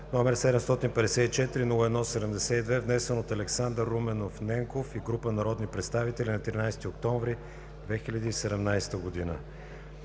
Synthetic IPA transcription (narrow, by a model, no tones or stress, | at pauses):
nomɛɾsɛd̪ɛmst̪ɔt̪inpɛd̪ɛsɛit͡ʃɛt̪iɾinulˠoɛd̪nɔsɛd̪ɛmd̪ɛsɛid̪vɛvnɛsɛnot̪ɐlɛksand̪əɾːumɛnofnɛŋkofiɡɾupənɐɾɔd̪nipɾɛt̪st̪avit̪ɛlʲinɐt̪ɾinajst̪iokt̪ɔ̃ɱvɾi | d̪vɛxilʲəd̪iːsɛd̪ɛmnajst̪əɡod̪inə̰